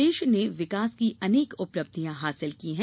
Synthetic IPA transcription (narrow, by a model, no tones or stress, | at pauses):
eːʃneʋɪkaːskiʔɐneːkʊpləb̚d̪ʱijãɦaːsɪlkiɦɛ̃